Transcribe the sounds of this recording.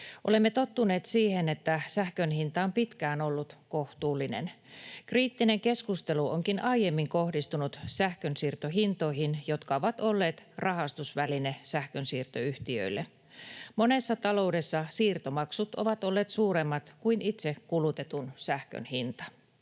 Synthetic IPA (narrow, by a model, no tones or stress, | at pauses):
ʔolemːet̪o̞t̪ːune̞ːt̪siːhenet̪ːæsæhkønhint̪ɑompit̪kæːnolːut̪ko̞ht̪uːlːinḛn | kriːt̪ːineŋke̞skust̪e̞luʔoŋkinɑijemːiŋko̞hdist̪unut̪sæhkønsiːrt̪oɦint̪o̞ihinjo̞t̪kɑoʋɑt̪olːe̞ːt̪rʔɑɦɑst̪usʋælinesæhkønsiːrt̪oyht̪iø̰ilːe | mo̞ne̞sːɑt̪ɑlo̞ude̞sːɑsiːrt̪omɑksut̪oʋɑt̪o̞lːeːt̪suːɾemːɑt̪kuinit̪sekulut̪e̞t̪unsæhkø̰nhint̪ɑ̥